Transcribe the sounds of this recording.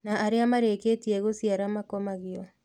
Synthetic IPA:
naʔaɾeamaɾeketiɛɣosiaɾamakɔmaɣiɔ

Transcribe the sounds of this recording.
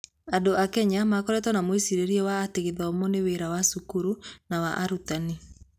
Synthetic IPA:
andoʔakɛɲamakɔɾɛtwɔnamwesiɾeɾiɔwaːteɣeðaɔmɔneweɾawasukuɾunawaʔaɾutani

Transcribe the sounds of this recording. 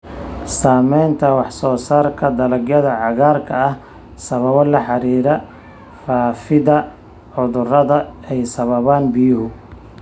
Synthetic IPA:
saːmɛjnt̪ʰɐwɑħsɔːsaːrkʰɐd̪ɐlɐɡjɐðɐʕɑɣaːrkʰɐɐh | sɐβɐβɔlɐħɑɾiːɾɐ | faːfɪðɐ | ʕʊðʊrɐðɐɛjsɐβɐβaːnbɪjʊɦʊ

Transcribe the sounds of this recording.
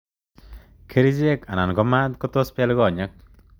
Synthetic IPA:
kʰeɾizekananɡɔmat̪̚kɔt̪ɔspalɡɔɲak̚

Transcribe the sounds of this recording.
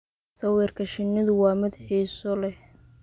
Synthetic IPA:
sɐwɛːrkʰɐʃɪnːɪðʊwɑːmɐðħɛjsɔlɛh

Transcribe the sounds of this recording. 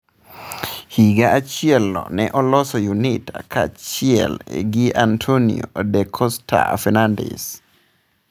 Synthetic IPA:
hiɡaʔat͡ʃɪɛlːɔ̰nɛʔɔlɔsɔjunitakʰat͡ʃɪɛ̰lɡiʔantʰonḭodɛkʰɔstʰa̰fɛnandɛ̰s

